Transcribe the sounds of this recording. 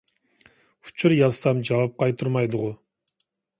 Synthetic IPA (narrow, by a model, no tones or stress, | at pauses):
u̥t͡ʃʰuɾjɑzsɑmd͡ʒɑwɑp̚qʰɑjt̪ʰuɾmɑjd̪ʊʁʊ